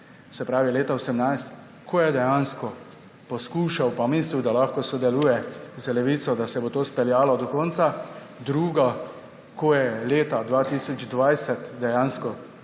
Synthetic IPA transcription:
sɛpɾaːʋileːt̪aosɛmnajst̪ | kʰoːjɛd̪ɛjanskɔ | pɔskuːʃawpamensud̪alaxkɔsɔd̪ɛluːjɛzəlɛʋiːsɔd̪asɛbot̪oːspɛljaːlɔd̪ɔkɔnt̪sa | d̪ɾuːɡa | kʰoːjɛleːt̪ad̪ʋaːt̪iːsɔd͡ʒd̪ʋajsɛt̪d̪ɛjanskɔ

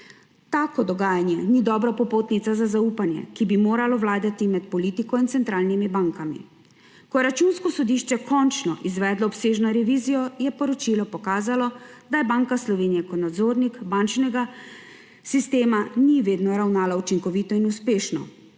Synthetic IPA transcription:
t̪aːkɔd̪ɔɡaːjanjɛnid̪ɔbɾapɔpoːt̪nit̪sazazauːpanjɛ̰kibimoːɾalɔwlaːd̪at̪imɛt̪pɔlit̪ikɔint̪sɛnt̪ɾaːlnimibaːŋkamḭ | kɔjɛɾat͡ʃunskɔsɔd̪iːʃt͡ʃɛkɔnt͡ʃnɔʔizʋɛːd̪lɔːpseːʒnɔɾɛʋiːzijɔjɛpɔɾɔt͡ʃilɔpɔkaːzalɔd̪ajɛbaŋkaslɔʋeːnijakɔt̪nad̪zoːɾnikbant͡ʃnɛɡa | sist̪eːmaniʋeːd̪nɔɾawnaːlaut͡ʃiŋkɔʋit̪ɔinuspeːʃnɔ̰

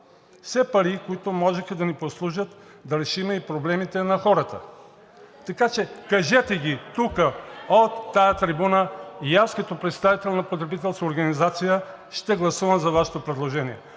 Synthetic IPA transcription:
fsɛpɐɾikoit̪omɔʒɛxɛd̪ɐniposlˠuʒət̪ | d̪ɐɾɛʃimɛipɾoblɛmit̪ɛnɐxɔɾət̪ə̰ | t̪ɐkat͡ʃɛkɐʒɛt̪ɛɡʲit̪ukəot̪ːajɐt̪ɾibunəijaskɐt̪opɾɛt̪st̪avit̪ɛlʲɛnɐpot̪ɾɛbit̪ɛlˠskəoɾɡɐnizat̪sijə | ʃt̪ɛɡlˠɐsuvɐmzɐvaʃɛ̥t̪opɾɛd̪lˠoʒɛniɛ

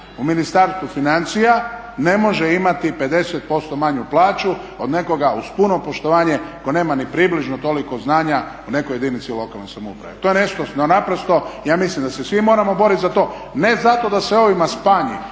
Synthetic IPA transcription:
uminist̪aɾst̪ʋufinant̪sija | ne̞mo̞ʒeimat̪ipe̞d̪e̞set̪̚po̞st̪o̞maɲuplˠaːt͡ʃu | o̞d̪ne̞ko̞ɡauspuno̞po̞ʃt̪o̞ʋaːɲe̞ko̞ne̞ːmanipɾibliʒnot̪o̞liko̞znaːɲaune̞koje̞d̪init̪silo̞kalˠnojsamoupɾa̰ʋet̪ojene̞ʃt̪ononapɾost̪o̞jaːmislimd̪asesʋimo̞ɾamo̞bo̞ɾit̪zat̪o̞ː | ne̞zat̪o̞d̪aseo̞ʋimaspaːɲḭ

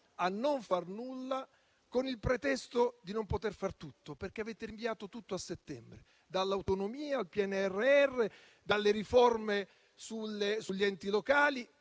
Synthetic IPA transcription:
anːoɱfarnulːa | konilpɾet̪ɛst̪od̪inompot̪erfart̪ut̪ːoperk̟eaveːt̪eɾiɱviaːt̪ot̪ut̪ːoasːet̪ːɛmbɾe | d̪alːawt̪onomiːaːlpiɛnːeɛrːeɛrːe | d̪alːeɾiforme | sulːesuʎːiɛnt̪ilokaːli

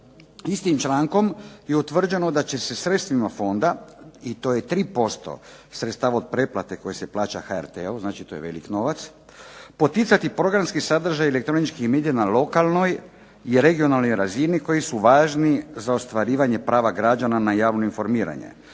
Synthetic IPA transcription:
ist̪imt͡ʃlˠaːŋko̞mjeut̪ʋr̩d͡ʑe̞nod̪at͡ɕe̞se̞sɾe̞t̪st̪ʋimafo̞nd̪ait̪o̞ːjet̪ɾiːpo̞st̪o̞̰ | sɾet̪st̪aːʋaod̪̚pɾe̞plat̪e̞ko̞jese̞plˠaːt͡ɕaxaeɾt̪eoznaːt͡ʃit̪ojeʋe̞̰likno̞ʋat̪s | po̞t̪it̪sat̪ipɾo̞ɡɾamskisad̪r̩ʒajelek̚t̪ɾo̞nit͡ʃkixmed̪ijanalo̞kalˠno̞j | iɾe̞ɡio̞nalˠnojɾaziniko̞jisuʋaːʒnizaost̪ʋaɾiːʋaɲe̞pɾaːʋaɡɾad͡ʒananajaːʋno̞info̞ɾmiːɾa̰ɲḛ

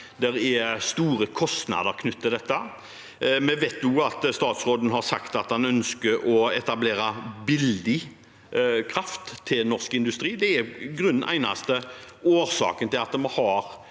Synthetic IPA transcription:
d̪ɛɾɛst̪uːɾəkʰɔst̪nɑ̰d̪əɾkʰnʉt̪ːɪd̪ɛt̪ːə | mɛʋeːt̪nʊɑt̪st̪ɑːt̪sɾoːd̪ən̩ɦɑɾsɑ̰kt̪ɑt̪̚dɛnœnskəɾɔɛt̪ɑbleːɾɑbɪld̪ɪ | kʰɾɑft̪ʰːɪlnɔʁskɪnd̪ʉst̪ɾiːd̪ɛɛɡɾʉnʔæ̰ɪnɑ̰st̪əoːɾsɑ̰ːkənt̪ʰɪlɑt̪mɔhɑɾ

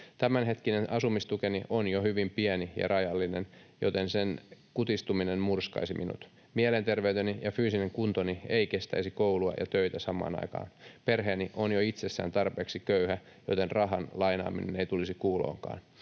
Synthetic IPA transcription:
t̪æmænɦe̞t̪kinenʔɑsumist̪ukeniʔonjohyʋimpiænijɑ̰rʔɑjɑlːinen | jo̰t̪ensenkut̪ist̪uminenmurskɑ̰isimʔinṵt̪ | mielent̪erʋeyt̪enijɑfyːsineŋkunt̪onieikest̪æ̰isikowluɑ̰jɑ̰t̪øit̪æsɑmˑɑ̰ːnɑ̰ikɑ̰ːnperɦeːniʔonjoit̪sesːæ̰ːnt̪ɑrpe̞ːksikøyhæ | jo̰t̪enrɑɦɑnlɑjnɑ̰ːmineneit̪ulisikuːlo̰ːŋkɑ̰ːn

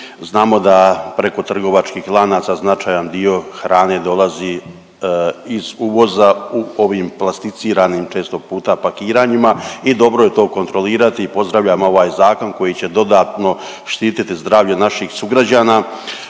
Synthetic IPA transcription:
znaːmo̞d̪apɾe̞ko̞t̪r̩ɡo̞ʋat͡ʃkiːxlˠaːnaːt̪saznat͡ʃaːjand̪io̞xɾaːne̞d̪o̞lˠazi | izuʋo̞zauo̞ʋiːmplˠast̪it̪siːɾaːniːmt͡ʃe̞ːst̪o̞puːt̪apakiːɾaːɲimaid̪o̞bɾoje̞t̪o̞ːko̞nt̪ɾo̞liːɾat̪iːpo̞zd̪ɾaʋʎaːmo̞ʋaːjzaːko̞nko̞jit͡ɕe̞d̪o̞d̪aːt̪no̞ | ʃt̪iːt̪it̪izd̪ɾaːʋʎenaʃixsuɡɾad͡ʑaːna

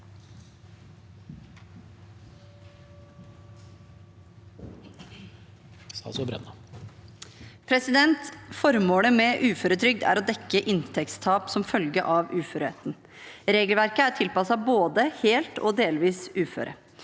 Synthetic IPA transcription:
sɑ̰sɔbɾɛ̰nɑ | pʰɾɛsɪd̪ɛnt̪fɔɾmoːləmɛʔʉːføːɾət̪ʰɾʏɡ̚d̪æ̰ɾɔd̪ɛkːəʔɪnt̪ʰɛkt̪st̪ʰɑːpsɔmfœlɡəʔɑʋʉːføːɾḛːt̪n̩ | ɾeːɡəlʋæɾkəæʈʰɪlpɑsɑboːd̪əheːlt̪ɔ̰d̪eːlʋiːsʉːfø̰ːɾʔə̰

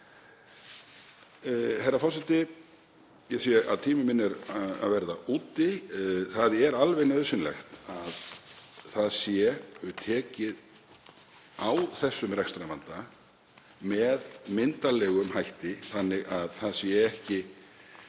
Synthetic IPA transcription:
hɛjɾafɔɾ̥sɛt̪ɪ | jɛsija̰ðt̪ʰiːmɪmɪnːɛɾaa̰ðvɛɾðaʔuːt̪ɪθaðɛɾalvɛjnœðsɪnlɛ̰xt̪aðθaðsjɛʏt̪ʰɛːcɪð | awθɛsːʏmɾɛkst̪ɾamant̪a | mɛðmɪnt̪alɛːɣʏmhajht̪ɪθanːɪɣaðθaðsjɛɛhcɪ

